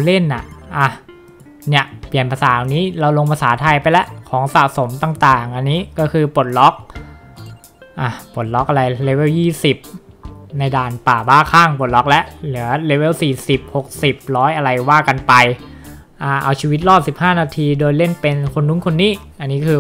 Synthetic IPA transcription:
le˥˩nʔa̰˨˩ʔʔa˧˩ | ni˦˥˩ɐpli˨˩ənpʰa˧saː˩˦ʔa˧wniː˦˥ɾa˧wlo˧ŋpʰa˧saː˩˦t̪ʰa˧jpa˧jlɛ˦˥ʔkʰɔː˩˦ŋsa˨˩ʔso˩˦mt̪aː˨˩ŋt̪aː˨˩ŋʔa˧nːiː˦˥kɔː˥˩kʰɯː˧po˨˩t̪̚lɔ˦˥k̚ | ʔaː˧˩po˨˩t̪̚lɔ˦˥k̚ʔa˧ɾa˧jle˦˥we˥˩wjiː˥˩si˨˩p̚na˧jdaː˧npaː˨˩baː˥˩kʰaː˥˩ŋpo˨˩t̪̚lɔ˦˥k̚lɛ˦˥ʔlɯ˩˦ɐle˦˥we˥˩wsiː˨˩si˨˩p̚ho˨˩k̚si˨˩p̚ɾɔː˦˥jʔa˧ɾa˧jwaː˥˩ka˧npa˧j | ʔaː˧˩ʔa˧wt͡ɕʰiː˧wi˦˥t̪̚ɾɔː˥˩si˨˩p̚haː˥˩naː˧t̪ʰiː˧doː˧jle˥˩npe˧nkʰo˧nːu˦˥˨ŋkʰo˧nːiː˦˥˩ | ʔa˧nːiː˦˥kʰɯː˧

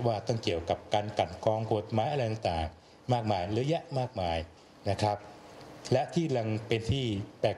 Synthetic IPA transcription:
waː˥˩t̪ɔ˥˩ŋki˨˩əwka˨˩p̚kaː˧nka˨˩nkʰɔː˧ŋko˨˩t̪̚maː˨˦˥jʔa˧a˧jt̪a˨˩ŋt̪aː˨˩ŋ | maː˥˩k̚maː˧jɾɯ˦˥ja˦˥ʔmaː˥˩k̚maː˧j | na˦˥kʰɾa˦˥p̚ | lɛ˦˥ʔt̪ʰiː˥˩la˧ŋpe˧nt̪ʰiː˥˩pɛː˨˩

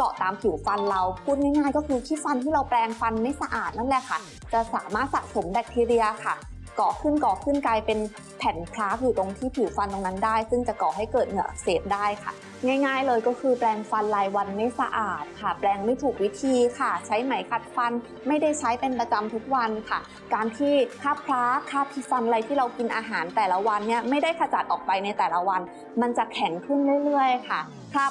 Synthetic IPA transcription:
kɔ̰˨˩t̪aː˧mpʰi˨˩˦wfa˧nla˧wpʰuː˥˩t̪̚ŋaː˥˩jŋaː˥˩jkɔː˥˩kʰɯː˧k̪ʰiː˥˩fa˧nt̪ʰiː˥˩ɾa˧wpɾɛː˧ŋfa˧nma˦˥˩jsa˧ʔaː˨˩t̪̚na˥˩lɛ˨˩kʰa˥˩ | t͡ɕa˨˩ʔsaː˩˦maː˥˩t̪̚sa˨˩ʔ̪̚so˩˦mbɛ˨˩k̚t̪ʰiː˧ɾi˧ɐkʰa˥˩ | kɔː˨˩kʰɯ˥˩nkɔː˨˩kʰɯ˥˩nklaː˧jpe˧n | pʰɛ˨˩˦npʰɾaː˦˥k̚juː˨˩t̪o˧ŋt̪ʰiː˥˩p̪ʰi˨˩˦wfa˧nt̪o˧ŋna˦˥ndaː˥˩jsɯ˥˩ŋt͡ɕa˨˩kɔ˨˩ha˥˩jkɤː˨˩t̪̚ŋɯ˨˩ɐʔa̰˨˧˩k̚seː˨˩t̪̚daː˥˩jkʰa̰˥˩ | ŋaː˥˩jŋaː˥˩jlɤː˧jkɔː˥˩kʰɯː˧plɛː˧ŋfa˧nlaː˧jwa˧nmeː˦˥sa̰˧ʔaː˨˩t̪̚kʰa˥˩plɛː˧ŋma˥˩jt̪ʰuː˨˩k̚wi˦˥t̪ʰiː˧kʰa˥˩t͡ɕʰa˦˥jma˩˦jkʰa˨˩t̪̚fa˧n | ma˥˩jda˥˩jt͡ɕʰa˦˥jpe˧npɾa˧t͡ɕa˧mt̪ʰu˦˥k̚wa˧nkʰa˥˩ | kaː˧nt̪ʰiː˥˩kʰaː˥˩pʰɾaː˦˥kʰːaː˥˩p̪ʰi˦˧˥fa˧nʔa˧la˧jt̪ʰiː˥˩ɾa˧wki˧nʔaː˧ɦaː˩˦nt̪ɛː˨˩la˦˥wa˧nːi˥˩ɐma˥˩jda˥˩jkʰa˧t͡ɕa˨˩t̪̚ʔɔː˨˩k̚pa˧jna˧jt̪ɛː˨˩la˦wa˧n | ma˧nt͡ɕa˨˩ʔkʰɛ˩˦ŋkʰɯ˥˩nɾɯ˥˩əjɾɯ˥˩əjkʰa˥˩ | kʰaː˥˩

